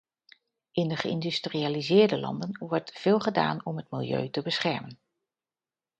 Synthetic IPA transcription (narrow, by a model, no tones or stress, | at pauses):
ʔɪndəχəɪndystriaːlizɪːɹdəlɑ̰ndənʋɔɹtfɪːlˠχəda̰ːnɔmɦətmilˠjø̰ːtəbəsχɛɹmən